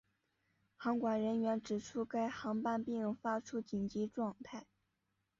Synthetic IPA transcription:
xɑ˧˥ŋkwa˨˩nɻə˧˥nɥɛ˧˥nʈ͡ʂɻ̩˨˩ʈ͡ʂʰu˥ka˥˩ɪxɑ˧˥ŋpa˥npi˥˧˥fa˥ʈ͡ʂʰu˥t͡ɕi˨˩nt͡ɕi˧˥ʈ͡ʂwɑ˥˧ŋt̪ʰa˥˩ɪ

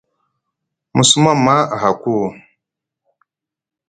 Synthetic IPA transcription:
mu˨su˦ma˦ma˦˨ɦa˨ku˦˨

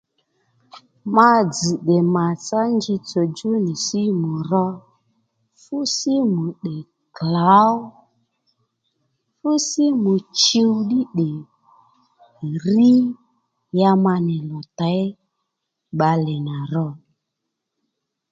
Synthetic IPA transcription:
ma˧d͡zi˨ɗe˨ma˨t͡sa˦nd͡ʒi˧t͡so˨d͡ʒu˦ni˨si˦mu˨rɔ˧ | fu˦si˦mu˨ɗe˨ | kla˨˦ɔ˦ | fu˦si˦mu˨t͡ʃi˦wɗi˦ɗe˨ | ri˦ | ja˧ma˧nɪ˨lɔ˨ta˨˦j | ɓa˧lɛ˨na˨ɾɔ˧

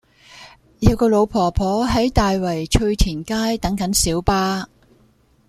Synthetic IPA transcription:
jɐ˨˧wkɔː˧lo˨˧wpʰɔː˨˩pʰɔː˨˥ɦɐ˨˥jt̪aː˨jwɐ˨˩jt͡ʃʰɵ˧ɥt̪ʰiː˨˩nkaː˥jt̪ɐ˨˥ŋkɐ˨˥nsiː˨˥wpaː˥

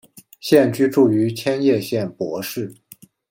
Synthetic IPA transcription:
ɕjɛ˥˧nt͡ɕy˥˧ʈ͡ʂu˥˩y˧˥t͡ɕʰjɛ˥njɛ˥˧ɕjɛ˥˩npwɔ˧˥ʂɻ̩˥˩

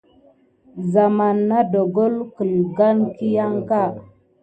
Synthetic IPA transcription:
za˨ma˨nːa˦do˨ɡo˦lkə˨lɡa˦nki˦ja˦ŋka˦˨

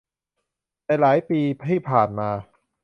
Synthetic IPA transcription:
nɛː˧laː˩˦jpiː˧t̪ʰiː˥˩pʰaː˨˩nmaː˧

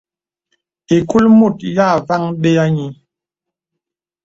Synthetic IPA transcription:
i˨ku˦lmu˦˨tja˦˨va˦ŋɓe˦a˦ɲi˨˦

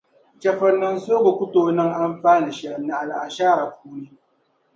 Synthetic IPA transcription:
t͡ʃɐ˨ɸɐ˦nːɐ˦nsoː˦ɡo˨kʷʊ˦toː˨nɐ˦ŋʔa˦mɸaː˦ni˨ʃnːa˨ʔa˨lʔa˨ʃaː˦˨ɾa˨k̚uː˦ni˦

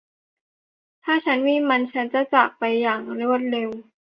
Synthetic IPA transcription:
t̪ʰaː˥˩t͡ɕʰa˦˥nmiː˧˦˥ma˧nt͡ɕʰa˦˥nt͡ɕa˨˩t͡ɕa˨˩k̚pa˧jːaː˨˩ŋɾu˥˩ət̪̚le˧w

